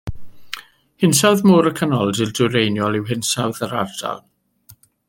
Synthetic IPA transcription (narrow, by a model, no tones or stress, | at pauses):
hɪnsawðmʊːɾəkʰənɔlˠdɪlˠdʊɾejnjɔlˠɪwɦɪnsawðəɾa̰rd̥a̰lˠ